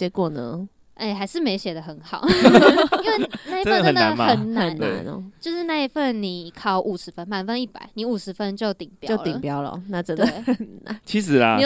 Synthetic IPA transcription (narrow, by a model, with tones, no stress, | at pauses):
ɛ˦kwɔ˥˩nə˨˧˦ | e˥˩ɪxa˧˥ɪʂɻ̩˥˩me˧˥ɪɕjɛ˨˩d̪ə˦xə˧˦nxɑ˨˩ʊ | i˧nwe˥˩na˥˩i˦ə˦ə˨ə˨ə˨na̰˧nmaə˨˦nna˧˦nna̰˨˧˦nɔ̰˧˦t͡ɕjo˥˧ʊʂɻ̩˥˧na˥˩i˧˥fə˥˨nni˨˩kʰɑ˥˩ʊʔu˨˩ʂɻ̩˨˧˦fə˦nma˨˩nfə˧˦ni˥˩pa̰˨˩˦ɪni˨˥˦u˨˩ʂɻ̩˧˦fə˦nt͡ɕjo˥˨˩ʊt̪i˨˩ŋpjɑjo˥˨ʊlt̪i˨pjɑ˦ʊlə̰˨na˥˩ʈ͡ʂə˨˩nt̪d̪ə˨˩a˨˦t͡ɕʰi˧˦ʂɻ̩˨˧˦lɐ˧